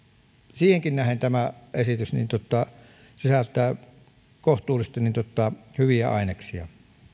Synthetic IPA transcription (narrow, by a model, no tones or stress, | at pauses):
siːheŋkinnæhent̪æmæʔesit̪ysnḭːnt̪uot̪ːˑɑ | sisælt̪ːˑæːˑ | koht̪ˑuːlist̪ɑnint̪ot̪ːˑɑhyʋiæ̰ɑ̰ˑeneksiɑ̰